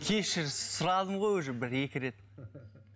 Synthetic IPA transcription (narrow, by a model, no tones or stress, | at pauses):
kʲʰe̞ʃɪɾsʊɾɑd̪əmʁo̞jwɵʒɪbɪɾe̞kʲɪɾe̞t̪